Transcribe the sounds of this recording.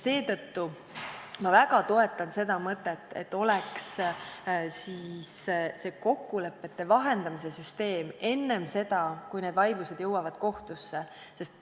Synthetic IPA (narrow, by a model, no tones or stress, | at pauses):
se̞ːt̪ɤt̪ːu | mɑvæɡɑt̪o̞e̞t̪ːˑɑnse̞d̪ɑmɤt̪ːˑet̪ːˑḛt̪ːo̞leks | siːsse̞ko̞kːule̞pːe̞t̪ːe̞vɑɦe̞nd̪̥ɑmis̬e̞syst̪e̞ːme̞nːe̞mse̞d̪̥ɑkujne̞d̪̥vɑjd̪luse̞d̪̥jɤwːɑvɑd̪̥ko̞ht̪usːe̞ | se̞st̪